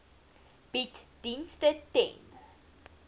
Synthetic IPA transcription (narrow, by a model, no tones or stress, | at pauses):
b̥itd̥instətɛ̰̃n